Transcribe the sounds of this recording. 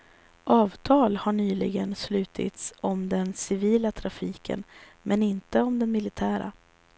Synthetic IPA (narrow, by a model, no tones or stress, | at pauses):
ʔɑːvt̪ʰɑːlhaɳyːlɪɡənslʉ̟ːt̪ʰɪ̰t̪sɔmd̪ɛnsɪviːlat̪ʰɾafiːkʰə̰n | mʔɛnɪnt̪əɔmd̪ɛnmɪlɪt̪ʰæːɾa̰